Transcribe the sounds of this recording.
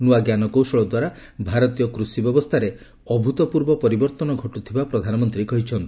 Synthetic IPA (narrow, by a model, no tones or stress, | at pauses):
nuaɡjanɔkowsɔɭɔd̪waɾa | bʱaɾɔt̪ijɔkɾusibjɔbɔst̪ʰaɾe | ɔbʱut̪ɔpuɾbɔpɔɾibɔɾt̪ɔnɔɡʱɔʈut̪ʰibapɾɔd̪ʱanɔmɔnt̪ɾikɔɦit͡ʃʰɔnt̪u